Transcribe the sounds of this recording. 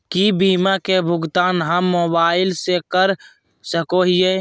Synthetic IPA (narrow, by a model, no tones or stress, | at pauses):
kibiːmakebʱʊɡt̪aːnɦəmːoːbaːɪlsekəɾ | səkoɦije